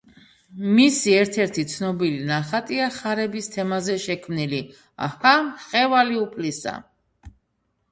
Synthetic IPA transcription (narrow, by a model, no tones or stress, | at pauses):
misiɛɾt̪ʰɛɾt̪ʰit̪sʰnɔbilinaχat̪ʼiaχaɾɛbist̪ʰɛmazɛʃɛkʰmnili | a̰hamχɛvaliupʰlisa̰